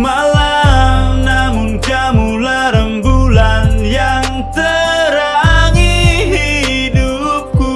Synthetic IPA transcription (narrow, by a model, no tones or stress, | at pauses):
malamnamunkamulaɾəmbulanjaŋt̪əɾaŋiɦi | dup̚ku